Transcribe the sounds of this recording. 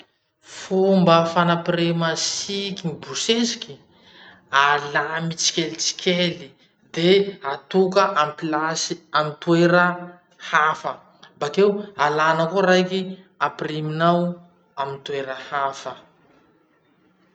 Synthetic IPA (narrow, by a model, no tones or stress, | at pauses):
fumbəfanapiɾemasikimibusesiki̥ | alamit͡si̥kʲelit͡si̥kʰʲeli | d̪eat̪ukəʔamplasiamit̪ueɾə | hafə | mbakewalanəkuɾajki | apiriminaw | amint̪weɾəhafə